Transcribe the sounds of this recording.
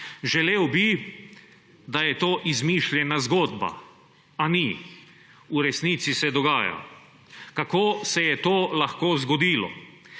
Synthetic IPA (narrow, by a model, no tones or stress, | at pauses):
ʒɛlewbi | d̪ajɛt̪oːʔizmiʃljɛnazɡoːd̪ba̰ | ani | uɾɛsnit̪sisɛd̪ɔɡaːja̰ | kakoːsɛjɛt̪oːlaxkoːzɡɔd̪iːlɔ̰